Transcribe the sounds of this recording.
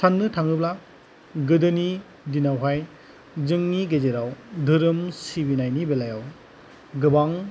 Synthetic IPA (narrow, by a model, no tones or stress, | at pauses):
sanːɯtʰaŋɯbla | ɡɯdɯni | dinawɦaj | zɯŋniɡezeɾawdʱɯɾɯmsibinajnibelajaw | ɡɯbaŋ